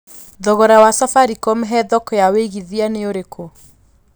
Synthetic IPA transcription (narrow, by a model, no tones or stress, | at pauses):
ðɔɣɔɾawasafaɾikɔmɦɛðɔkɔjaweɣiðianeoɾekʰo